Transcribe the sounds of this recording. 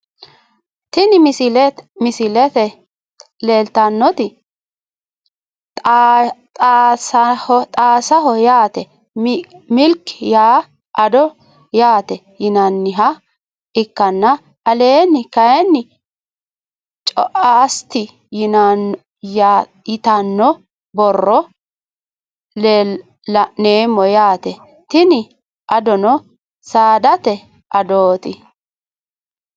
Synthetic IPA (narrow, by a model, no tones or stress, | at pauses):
t̪ɪnɪlmɪsɪlɛt̪ɛ | leːlt̪ɐnːɔt̪ɪ | shɔt̪ʼaːsɐɦɔjaːt̪ɛ | mmɪlkːjaː | ʔɐd̪ɔ | jaːt̪ɛ | jɪnɐnːɪɦɐ | ɪkːɐnːɐ | ʔɐle̞ːnːɪkɐjɛnːɪ | t͡ʃʼɔ̰ʔaːst̪ɪ | jɪna | ja | ɪt̪ɐnːɔ | bɔrːɔ | lː | ɐʔneːmːɔjaːt̪ɛ | t̪ɪnɪ | ʔɐd̪ɔnɔ | saːd̪ɐt̪ɛ | ʔɐd̪oːt̪ɪ